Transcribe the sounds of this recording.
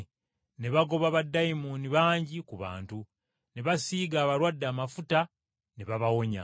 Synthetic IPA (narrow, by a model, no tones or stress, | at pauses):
ne̞βaɡo̞βaβadːajimuniβaːɲɟikuβa̰ːntu | ne̞βasiːɡaːβaɾwadːaːmafuta | neβaβawo̞ɲa̰